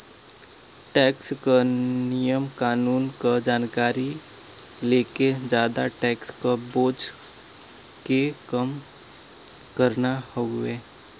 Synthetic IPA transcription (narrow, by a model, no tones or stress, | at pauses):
ʈɛːkskənɪjəmkaːnuːnkad͡ʒaːnkaːɾi | leːked͡ʒaːd̪aʈɛːkspəɾboːt͡ʃ | kekəm | kəɾna | hɔʊeː